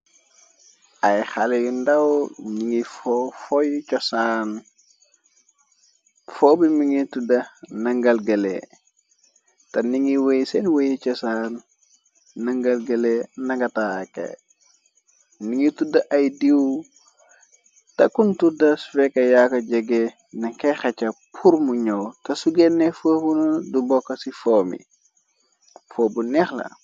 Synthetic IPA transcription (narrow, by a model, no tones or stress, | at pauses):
ɐjxalejundɐwniŋifɔfɔjt͡ʃɔsan | fobimiŋitudɐnɐŋɡɐlɡɐlḛ | tɐniŋiwejsɛnwejit͡ʃɔsanː | ɐŋɡɐlɡɐlenɐɡɐtakḛ | niŋitudɐʔɐjdiw | tɐkuntudɐsfɛkːɐjakɐɟɐɡe | nɐŋkɛxɐt͡ʃɐpʰuɾmuɲowtɐsuɡɛnːɛfobunudubɔkːɐsifɔːmḭ | fobunɛxlɐ̰